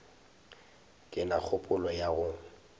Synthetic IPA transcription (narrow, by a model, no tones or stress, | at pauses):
kʼɪnak͡xʰʊpʼʊlɔjaɣʊ